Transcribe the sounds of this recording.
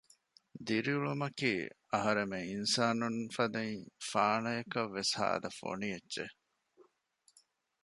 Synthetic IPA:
d̪iɾiuɭumɐkiː | ɐɦɐɾemeinsaːnunfɐd̪ɐŋfaːnɐjɐkɐʋːesha̰ːɐ̰d̪ɐfo̰nijedːʒe

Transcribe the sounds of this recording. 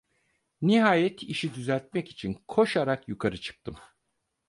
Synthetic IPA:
niɦaːjɛt̪ʰiʃid̪yzælʲt̪̚mɛci̥t͡ʃʰinkʰo̞ʃaɾakjukʰaɾɯt͡ʃʰɯ̥k̚t̪ʰɯm

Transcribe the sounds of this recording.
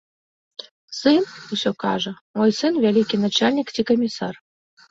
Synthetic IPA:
sɨnusʲokɑʐə | mojsɨnvʲælʲikʲinat͡ɕalʲnʲiktʲikəmʲisɑr

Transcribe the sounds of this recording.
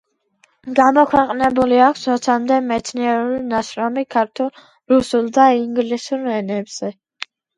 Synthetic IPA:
ɡamɔkʰwɛqʼnɛbuliakʷʰsɔt̪sʰamd̪ɛmɛt̪sʰniɛɾulinaʃɾɔmikʰaɾt̪ʰulˠ | ɾusulˠd̪aiŋɡlisuɾɛnɛbz̥ɛ

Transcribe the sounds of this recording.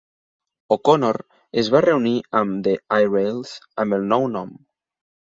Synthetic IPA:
okonoɾ | ezβareuniəmd̪eajrelzəmbelˠnɔwnɔm

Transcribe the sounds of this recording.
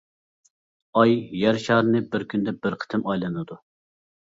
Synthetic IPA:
ɑjːæɾʃɑːɾnɨbɪɾkʲʰynd̪ɛbɪɾqʰə̥t̪ʰɪmɑjlˠɨnɨd̪u

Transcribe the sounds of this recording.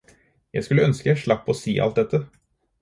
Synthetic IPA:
jæɪskʉlːəœnskəjæɪʂɭɑpːɔsḭːʔɑ̰lt̪̚d̪ɛt̪ʰːə

